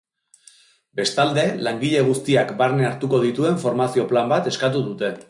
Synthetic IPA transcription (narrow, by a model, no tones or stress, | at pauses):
be̞st̪ald̪e̞laŋɡiʎe̞ɣ̞ust̪iakbaɾneaɾt̪uko̞ð̞it̪ue̞ɱfo̞ɾmasio̞plambat̪e̞skat̪uðut̪e̞